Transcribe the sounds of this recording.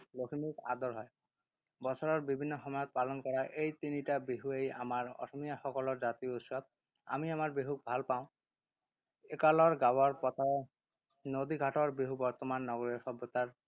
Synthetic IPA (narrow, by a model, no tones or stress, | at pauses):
lokʰimika̰d̪ɔɹɦɔj | bɔt͡ɕʰɔɹɔɹbibʱinːɔxɔmɔjɔt̪̚palɔnkɔɹaʔejt̪initabiɦueja̰maɹɔ̰sɔmijaxɔkɔlɔɹzat̪iout̪sɔb̚ | a̰miamaɹbeɦuk̚bʱalpaʊ̃ | ekalɔɹɡawaɹpɔt̪ʰae | nod̪iɡʱaʈɔɹbiɦubɔɹt̪ɔmanːɔɡoɾiɹxɔbjɔt̪aɹ